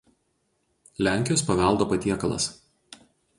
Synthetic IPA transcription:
lʲæˑŋʲkʲɪjoːspɐʋʲɛlˠd̪oːpɐt̪ʲiɛkɐlˠɐ̰s

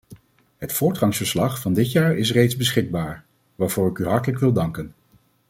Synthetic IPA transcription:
ɦətfʊːɹtχɑŋsfəɹslɑχfɑndɪtjaːɹɪsrejdzbəsχɪɡ̚baːɹ | ʋaːɹvʊːɹɪkyɦɑɹtələkʋɪlˠdɑŋkən

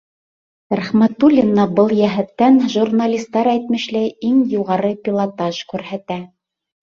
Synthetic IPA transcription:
ɾæχmæt̪ulʲinːɑbɤlˠjæɦæt̪ːænʒurnalʲist̪ːɑɾæjt̪̚mɘ̆ʃlæjiŋjuʁɑɾɤpʲilˠat̪ɑʒkʉɾhæt̪æ

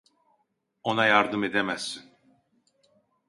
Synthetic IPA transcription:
o̞najaɾd̪ɯme̞d̪emæz̥sin

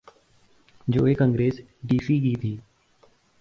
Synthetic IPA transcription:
d͡ʒoːekə̃ŋɡɾeːs | ɖiːfiːɡiːt̪ʰiː

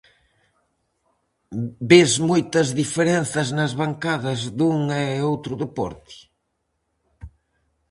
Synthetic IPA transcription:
bezmojt̪ɐzðifeɾen̟θɐznɐzβaŋkaðɐzðuŋɛowt̪ɾʊðepɔ̰ɾt̪ɪ̥

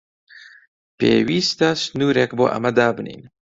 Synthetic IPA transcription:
pḛːwiːst̪ɐsnuːɾekbo̰ːʔɐ̰mɐd̪aːbɨnḭːn

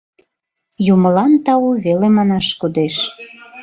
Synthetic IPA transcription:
juməlɑnt̪ɑuβelemɑnɑʃkud̪eʃ

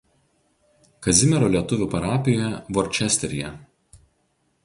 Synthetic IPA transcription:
kɐzʲɪmʲɛɾoːlʲiɛt̪ʊʋʲuːˑpɐɾɑːpʲɪjojɛʋɔɾʲt͡ʃʲɛsʲt̪ʲɛɾʲɪjɛ̰

